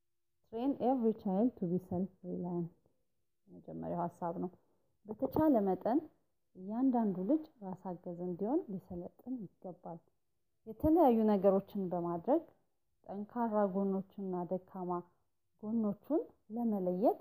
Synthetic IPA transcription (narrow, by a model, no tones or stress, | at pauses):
t̪ɾeneɾːit͡ʃajlt̪ʰuβisəlɾilajn | jɛməd͡ʒɛmːə̰ɾjawhasːaβnəw | bət̪ʰət͡ʃʰaləmət̪ʼən | ɨjːand̪and̪ulɨd͡ʒɾasaɡːəzɨnd̪iho̞nlisələt̪ʼːɨnjɪɡːəbːal | jɛt̪ʰələjajːunəɡəɾo̞t͡ʃːɪnbəmad̪ɾəɡ | t̪ʼəŋkʰaɾaɡo̞nːo̞t͡ʃːnːad̪əkʰːama | ɡ̥onːo̞t͡ʃːun | ləmələjːɛt̪ʼ